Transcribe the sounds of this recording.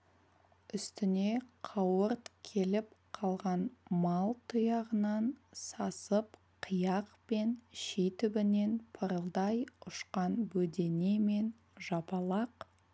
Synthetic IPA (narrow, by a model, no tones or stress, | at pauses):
ʏst̪ɪne̞qʰɑwəɾt̪kʲʰe̞lɪp̚qʰɑlˠʁɑnmɑlˠt̪ʰʊjɑʁənɑnsɑsəp | qʰəjɑqpe̞nʃit̪ʏbɪne̞npʰəɾəlˠd̪ɑjʊʃqɑnbɵd̪e̞ne̞me̞n | ʒɑpɑlˠɑq